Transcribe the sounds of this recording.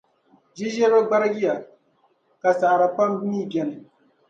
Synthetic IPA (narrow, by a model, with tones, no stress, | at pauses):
d͡ʒi˦ʒɛ˦ɾo˦ɡ͡ba˦ɾɡi˦ja˨ | ka˨sa˨ʔɾa˨k͡pa˦mbi˦miː˦bɛ˨nɨ˨